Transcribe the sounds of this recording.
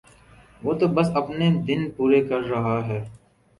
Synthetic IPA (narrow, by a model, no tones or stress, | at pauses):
ʋoːt̪obɐsɐpned̪ɪnpuːɾekɐɾːɐɦaɦɛː